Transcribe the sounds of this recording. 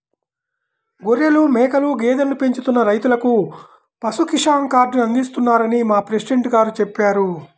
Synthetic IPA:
ɡoɾjɐlumɛːkɐluɡɛːd̪ɐnlupeɲt͡ʃut̪unːɐɾɐjt̪ulɐku | pɐsukiʂaːŋkaːɾɖniɐnd̪ist̪unːaːɾɐnimaːpɾesiɖeɳʈɡaːɾut͡ʃepːaːɾu

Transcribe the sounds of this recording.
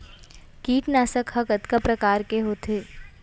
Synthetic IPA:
kiːʈnaːsəkhɐkət̪kapɾɐkaːɾkeɦoːt̪ʰeː

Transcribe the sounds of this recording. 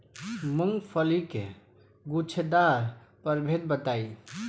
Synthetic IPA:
məŋɡpʰəlikḛ | ɡut͡ʃʰed̪aɾpəɾbʱed̪̚bət̪ai

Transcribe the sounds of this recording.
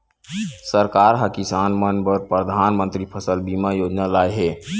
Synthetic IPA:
səɾkaɾɦəkisanmənbəɾpɾəd̪ʱanmənt̪ɾipʰəsəlbimajod͡ʒnalajɦe

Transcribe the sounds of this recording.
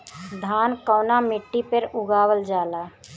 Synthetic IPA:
d̪ʱaːnkɔːnamɪʈːipəɾʊɡaːwəld͡ʒaːlaː

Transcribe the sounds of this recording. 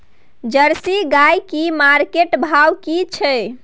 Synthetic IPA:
d͡ʒəɾsiɡajkimaɾkeʈbʱawkit͡ʃʰɛ

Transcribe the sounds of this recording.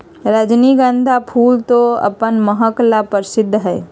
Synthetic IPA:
ɾəd͡ʒniɡə̃nd̪ʱapʰuːlt̪oə̰pənməɦəklapəɾɪsɪd̪ʱːɦɛː

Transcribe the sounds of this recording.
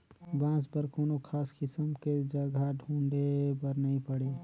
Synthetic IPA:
bãːsbəɾkoːnokʰaːskɪsəmked͡ʒɐɡʱaɖʱũːɳɖebɐɾnɐɦĩpəɽeː

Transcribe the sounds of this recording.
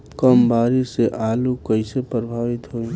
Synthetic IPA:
kəmbaːɾiseʔaːlukəisepɾəbʱaːʋɪt̪ɦoːĩ

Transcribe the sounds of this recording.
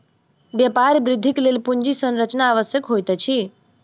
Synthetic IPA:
bjəpaɾbɾid̪ʱːiklelpund͡ʒisənɾət͡ʃnaːʋəsjəkɦojt̪ɛt͡ʃʰi

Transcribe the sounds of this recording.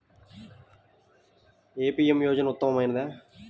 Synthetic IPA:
eːpiːemjoːd͡ʒɐnɐʊt̪ːɐmɐmaːjɪnɐd̪eː

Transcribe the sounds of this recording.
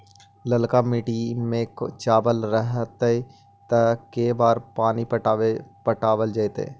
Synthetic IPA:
ləlkamiːʈimẽkt͡ʃaːbəlɾəɦt̪i | t̪ɐkeːbaːɾpaːnipəʈpəʈaːʋəld͡ʒaet̪ḛː

